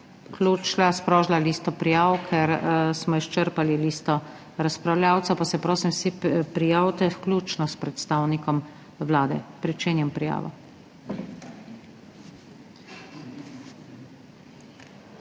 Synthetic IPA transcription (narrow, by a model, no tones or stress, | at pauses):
klut͡ʃlaspɾɔːʒlaliːst̪ɔpɾijaːʋkʰɛɾsmɔiʃt͡ʃəɾpaliliːst̪ɔ | ɾaspɾawljaːwt̪sɐpasɛpɾoːsimsipɾijaːwt̪ɛwklʲuːt͡ʃnɔspɾɛt̪st̪aːwnikɔm | wlaːd̪ɛ̰pɾit͡ʃeːnjɛmpɾija̰ːʋɔ̰